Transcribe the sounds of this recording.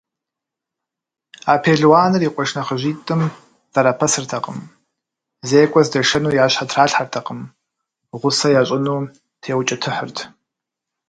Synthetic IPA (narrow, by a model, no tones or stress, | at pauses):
aːpʰeːɮwaːnɨriːqʷʼɔʂnɐχəʑiːtʼɨm | z̥ɐɾɐpʰɐsɨrtʰɐqə̰m | zeːkʷʼɔzdɐʂɐnuːjaːɕħatʰraːɬħartʰɐqəm | ʁʷʊsɐjaːɕʼɪnuː | tʰeːwt͡ʃʼɐtʰɨħərtʰ